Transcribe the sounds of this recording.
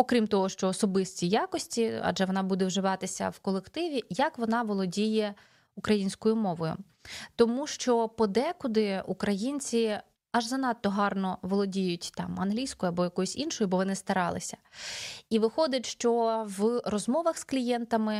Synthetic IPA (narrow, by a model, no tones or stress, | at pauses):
ɔkɾʲimt̪ɔɦɔʃt͡ʃɔːsɔbɪsʲtʲijɑkɔsʲtʲiɐ̰ʒɛʋɔnɑbud̪ɛʋwʒɪʋɑt̪ɪsʲɐ̰wkɔlˠekt̪ɪʋʲijɐkʋɔnɑʋɔlˠɔdʲijɛ | ukɾɐjinʲsʲkɔjʊmɔʋɔjʊ̰ | t̪ɔmuʃt͡ʃɔpɔd̪ɛkʊd̪ɪukɾɐjinʲt͡sʲi | ɐʒzɐnɑt̪ːɔɦɑrnɔʋɔlˠɔdʲijʊtʲt̪ɑ̰mɐnɦlʲijsʲkɔjʊɐbɔjɐkɔjʊsʲinʃɔjʊbɔʋɔnɪst̪ɐɾɑlˠɪ̰sʲɐ̥ | iʋɪxɔd̪ʲɐtʲʃt͡ʃɔʋrɔzmɔʋɐxsklʲijɛnt̪ɐmɪ